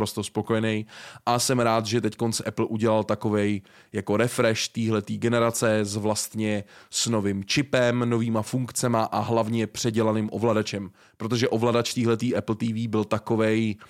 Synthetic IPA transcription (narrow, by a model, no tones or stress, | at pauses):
ɾo̞st̪ospo̞ko̞jɛnɛjʔasɛmɾaːt̪ʒɛt̪ɛcko̞nsʔɛpl̩ʔuɟɛlalt̪ako̞vɛj | jako̞ɾɛfɾɛʃt̪iːɦlɛt̪iːɡɛnɛɾat͡sɛzvlast̪ɲɛsno̞vɪmt͡ʃɪpɛmno̞viːmafuŋkt͡sɛmaʔaɦlavɲɛpr̥ɛɟɛlanɪmʔo̞̰vladat͡ʃɛm | pɾot̪o̞ʒɛʔo̞vladat͡ʃt̪iːɦlɛt̪iːʔɛpl̩t̪iːviːbɪlt̪ako̞vɛj